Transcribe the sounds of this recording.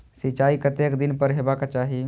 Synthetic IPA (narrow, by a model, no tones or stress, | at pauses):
sɪt͡ʃaːikət̪ekd̪ɪnpəɾɦebakat͡ʃaːɦi